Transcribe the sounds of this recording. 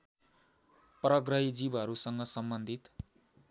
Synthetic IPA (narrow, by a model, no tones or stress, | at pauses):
prʌɡrʌɦid͡zibʌɾusʌŋɡʌsʌmbʌnd̪ʱit̪